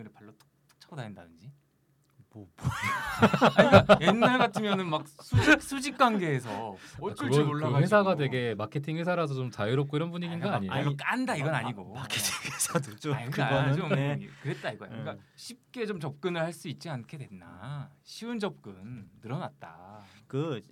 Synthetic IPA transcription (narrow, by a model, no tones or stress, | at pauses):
ɯɾɯpaɭːot͈o̥kt͈o̥k̚t͡ɕʰʌdaendadɯnd͡ʑi | bobooaɲikajenːaɭɡatʰɯmjʌnɯnmak̚sʰud͡ʑisʰud͡ʑik̚k͈wanɡe̞ːs̬ʰʌɡʌoɭːawe̞s̬ʰaɡadwe̞ɡe̞makʰe̞tʰiŋɸwe̞sʰaɾas̬ʰʌt͡ɕomt͡ɕajuɾʌp̚k͈oiɾʌnbuɲiɡinɡaaɲiaik͈andaiɡʌna̰ɲiɡomakʰetʰiŋwesʰadod͡ʑoiɯad͡ʑomkɯɾe̞t̚t͈aiɡʌja̰kɯk͈aɕʰip̚k͈e̞t͡ɕomt͡ɕʌp̚k͈ɯnɯɭhaɭs͈uit̚t͡ɕ͈iankʰe̞dwe̞nda̰ɕʰiund͡ʑʌp̚k͈ɯnːɯɾʌnat̚t͈a̰kɯ